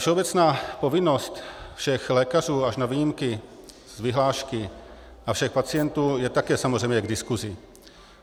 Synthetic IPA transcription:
fʃɛobɛt͡snaːpo̞vɪnost̪fʃɛxlɛːkaruːaʃnavijɪmkɪ | zvɪɦlaːʃkɪ | ʔafʃɛxpat͡sɪjɛnt̪uːjɛt̪akɛːsamorɛjmɲɛɡdɪskuzɪ

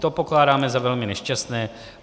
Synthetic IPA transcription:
t̪opo̞klaːdaːmɛzavɛlmɪnɛʃcast̪nɛː

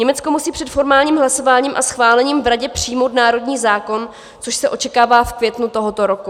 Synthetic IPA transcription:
ɲɛmɛt͡sko̞musiːpr̥ɛt̪fo̞ɾmaːlɲiːmɦlaso̞vaːɲiːmʔa̰sxvaːlɛɲiːmvɾaɟɛpr̝̥ijmowt̪naːɾo̞dɲiːzaːko̞n | t͡soʃsɛʔo̞t͡ʃɛkaːvaːfkvjɛt̪nut̪o̞ɦot̪o̞ɾo̞ku

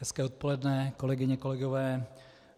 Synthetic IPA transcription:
ɛskɛːot̪̚po̞lɛdnɛko̞lɛɡɪɲɛko̞lɛɡovɛː

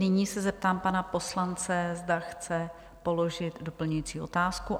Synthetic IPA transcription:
nɪɲiːsɛzɛp̚t̪aːmpanapo̞slant͡sɛzdaxt͡sɛ | po̞lo̞ʒɪt̪do̞pl̩ɲujiːt͡siːʔo̞t̪aːsku

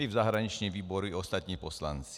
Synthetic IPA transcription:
livzaɦɾaɲit͡ʃnimʋiːbɔɾuiɔst̪at̪̚ɲiːpɔsla̰nt͡s

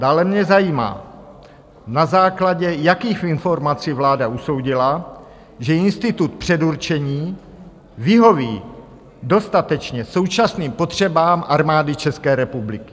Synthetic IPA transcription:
daːlɛmɲɛzajiːma̰ː | nazaːklaɟɛjakiːxfɪnfo̞ɾmat͡sivlaːdauso̞wɟɪla | ʒɛɪnst̪ɪt̪ut̪pr̝̥ɛduɾt͡ʃɛɲiː | vɪɦo̞vḭː | do̞st̪at̪ɛt͡ʃɲɛso̞wt͡ʃasniːmpo̞t̪r̝̥ɛbaːmʔaɾmaːdɪt͡ʃɛskɛːɾɛpublɪkɪ̥

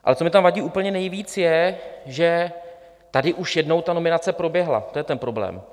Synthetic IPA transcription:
ʔa̰lɛt͡so̞mɪt̪amvaɟiːʔuːpl̩ɲɛnɛjviːt͡sjɛʒɛ | t̪adɪʔuʃjɛdno̞wt̪ano̞mɪnat͡sɛpɾo̞bjɛɦla̰t̪ojɛt̪ɛnpɾo̞blɛ̰ːm

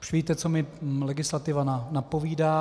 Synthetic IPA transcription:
ʃviːt̪ɛt͡somɪlɛɡɪslat̪ɪvananapo̞viːdaː

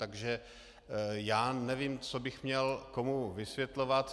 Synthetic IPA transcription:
t̪aɡʒɛ | jaːnɛviːmt͡sobɪxmɲɛlko̞muvɪsvjɛt̪lo̞vat̪

